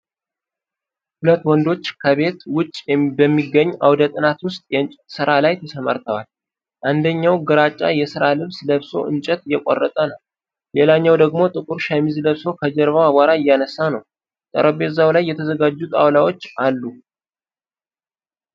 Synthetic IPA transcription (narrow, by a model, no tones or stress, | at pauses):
hulət̪ːwɔnd̪o̞t͡ʃːkʰəβe̞t̪wʊt͡ʃʼːɛbəmːiɡəɲːʔa̰wd̪ət̪ʼɨnat̪wʊst̪ʼjsɨɾalajt̪ʰəsəma̰ɾt̪ʰəwal | tʔand̪əɲːawɡəɾat͡ʃʼːajɛsɨɾalɨβsləβso̞̰ʔɨ̰nt͡ʃʼɛt̪ɪjɛkʷʼɔ̰rːət̪ʼənəw | jelaɲːawd̪əɡmo̞t̪ʼɨkʼuɾʃamizləβso̞kʰəd͡ʒɛɾβawaɡʷaɾaɪjːanəsːanəw | t̪ʼə̰ɾəbe̞zawlajːɛt̪ʰəzəɡad͡ʒːut̪ʼawlawo̞t͡ʃːalːu